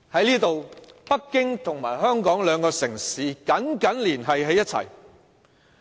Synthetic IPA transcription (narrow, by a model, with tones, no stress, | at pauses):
hɐ˨˥jliː˥t̪o˨wpɐ˥kːɪ˥ŋt̪ʰʊ˨˩ŋmaː˨˩jɦœː˥ŋkɔː˨˥ŋlœː˨˧ŋkɔː˧sɪ˨˩ŋsiː˨kɐ˨˥nkɐ˨˥nliː˨˩nɦɐ˨jɦe˨˧jɐ˥t̚t͡sʰɐ̰˨˩j